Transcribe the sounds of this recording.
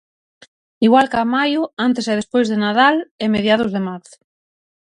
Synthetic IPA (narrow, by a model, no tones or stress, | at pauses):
iɣwalkamajʊant̪eseðespojzðenaðalemeðjaðʊzðemaθ